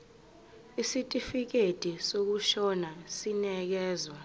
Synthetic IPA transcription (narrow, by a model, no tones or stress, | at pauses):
isitʼifik̬etʼisok̬uʃɔnasinɛk̬ɛːzwa